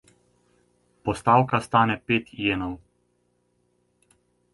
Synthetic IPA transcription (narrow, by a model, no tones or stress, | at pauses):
pɔst̪awkast̪aːnɛpeːt̪jeːnɔw